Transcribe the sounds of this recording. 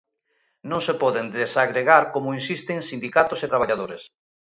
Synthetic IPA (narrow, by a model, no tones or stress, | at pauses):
nõŋsepɔðend̪esaɣɾeɣaɾkomʊinsist̪eŋsind̪ikat̪oset̪ɾaβ̞aʎaðoɾes